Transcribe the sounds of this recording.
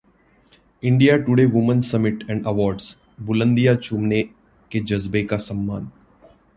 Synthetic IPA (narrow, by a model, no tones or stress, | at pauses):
ɪ̃ɳɖijaʈʊɽeːʋʊmə̃nsəmɪʈɛ̃ɳɖəʋɔːɾɖs | bʊlə̃nd̪ijat͡ʃʊmne | ked͡ʒɐzbekasə̃mːaːn